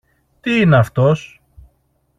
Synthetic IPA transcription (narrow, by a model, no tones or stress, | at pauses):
t̪iineɐft̪o̞s